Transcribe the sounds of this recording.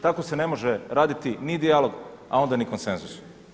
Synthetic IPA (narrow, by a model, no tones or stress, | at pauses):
t̪ako̞se̞ne̞mo̞ʒeɾaːd̪it̪inid̪ialo̞ɡa̰o̞nd̪anikonsenzus